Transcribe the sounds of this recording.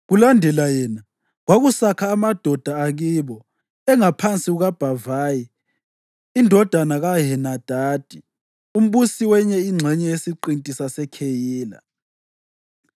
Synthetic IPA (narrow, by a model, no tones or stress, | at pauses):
ɣulandʱɛlajɛːna | ɣwaɣusakʰaːmad̥ʱɔd̥ʱaːɣiβɔ | ɛŋapʰant͡sʼiɣuɣab̥ʱavaːji | indʱɔd̥ʱanaɣaɦɛnad̥ʱaːd̥ʱi | um̩βusiwɛɲɛiŋ͡ǀʱɛɲɛjesiǃintʼisasɛkʰejiːla̰